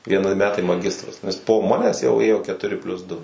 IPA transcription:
ʋʲiɛˈnʲɪ ˈmʲæːtɐɪ mɐˈɡʲɪstrɐs nʲɛs poː ˈmɑːnʲɛs jɛʊ ˈeːjoː kʲɛtʊˈrʲɪ pʲlʲʊs ˈdʊ

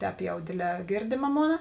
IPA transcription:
ˈtʲɛːp jɛʊ ˈdʲeːˌdʲlʲɛː ˈɡʲeːrʲdʲeːmɐ ˈmoːnɐ

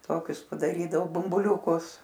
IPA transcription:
ˈtoːkʲʊs pɐdɐˈrʲiːdɐʋoː bʊmbʊˈlʲuːkʊs

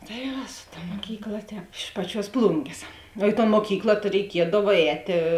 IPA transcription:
tɐɪ ˈʋɐ sʊ ˈtɐ ˈmoːkʲiːkˌlˠɐ ˈtʲɛːp ɪʃ ˈpɑːˌt͡ʃʲuɔs ˈplˠʊŋʲɡʲeːs oː ɪ toːn moːˈkʲiːklˠɐ tɐɪ rʲɛɪˈkʲiɛdɐw ˈɛːtʲeː

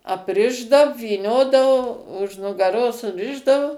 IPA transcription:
ɐpʲˈrʲɪʒdɐw ʋʲiːˈnʲoːdɐʋoː ʊʃ nʊɡɐˈroːs sʊˈrʲɪʒdɐʋʊ

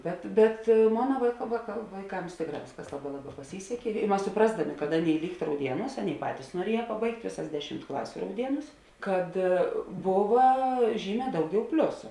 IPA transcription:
ˈbʲɛt bʲɛt ˈmoːnɐ ʋɐɪ ʋɐkɐ ʋɐɪˈkɐms ˈtʲeːkˌrɑː ˈʋʲeːsˌkɐs ˈlˠɑːˌbɑː ˈlˠɑːˌbɑː pɐˈsʲiːsʲɛkʲeː ɪ ˈmɐs sʊˈprɑːzdɐˌmʲeː kɐt ˈɑːˌnʲeːɪ ˈlʲiːkt rɐʊˈdʲiɛˌnuːs ˈɑːˌnʲeːɪ ˈpɑːtʲiːs nuɔˈrʲiɛjɛ pɐˈbɐɪktʲ ˈʋʲeːˌsɐs ˈdʲæːˌʃʲɪmt ˈklˠɑːsʲʊ rɐʊˈdʲiɛˌnuːs ˈkɐt ˈboːʋɐ ˈʒʲiːˌmʲɛː ˈdɐʊˌɡʲɛʊ ˈpʲlʲʊsʊ

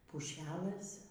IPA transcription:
pʊˈʃʲæːlˠɘs

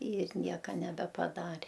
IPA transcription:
ɪr ˈnʲiɛkɐ nʲɛbʲɛpɐˈdɑːrʲeː

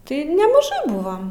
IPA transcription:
ˈtɐɪ nʲɛmɐˈʒɐɪ ˈbʊʋoːm

